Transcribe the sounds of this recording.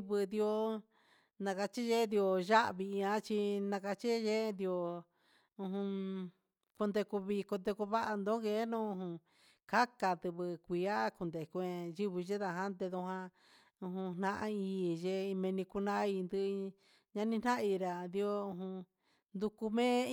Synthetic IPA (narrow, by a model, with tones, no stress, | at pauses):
βɨ˧d̪i˧o˧ | nã˧ka˧t͡ʃi˦ʒe˦nd̪i˧o˧ʒa˦ʔβi˧ã˧˦t͡ʃi˧nã˧ka˧t͡ʃi˦ʒe˦˧nd̪i˧o˧ | ũ˧ɦũ˧ | ko˧nd̪e˧ku˧βi˧ko˧nd̪e˧ku˧βa˦ʔa˧nd̪õ˦ɣe˧˦nũ˦ũ˧ɦũ˧ | ka˦ka˧t̪ɨ˧βɨ˧kʷi˨˧a˦ku˧nd̪e˨ku˧ẽ˧ʒi˦βi˧ʒe˦ða˧ɦã˦nd̪e˧ðũ˧ɦã˧ | ũ˧ɦũ˧n̥nã˧˦ʔã˦iː˧˨ʒe˧i˧mẽ˧nĩ˧ku˧nã˦˧i˧nd̪ɨ˧ | ɲã˧nĩ˧n̥nã˦˧i˧ɾa˨d̪i˧o˧ũ˧ɦũ˧ | nd̪u˧ku˧mẽː˦